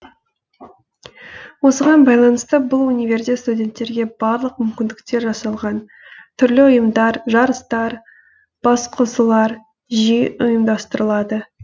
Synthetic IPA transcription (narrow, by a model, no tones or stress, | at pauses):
wo̞səʁɑnbɑjlˠɑnəst̪əbʊlˠunʲivʲe̞ɾst̪ʲet̪st̪udʲe̞nt̪ːe̞ɾɡʲe̞bɑɾlˠəqmʏmkʲɪnd̪ɪk̚t̪e̞ɾʒɑsɑlˠʁɑn | t̪ʰʏɾlɪʊjəmd̪ɑɾʒɑɾəst̪ɑɾ | b̥ɑsqʰəzəlˠɑɾ | ʒijʊjəmd̪ɑst̪əɾəlˠɑd̪ə